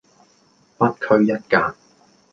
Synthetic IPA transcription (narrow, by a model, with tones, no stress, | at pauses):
pɐ˥t̚kʰɵ˥ɥjɐ˥t̚kaː˧k̚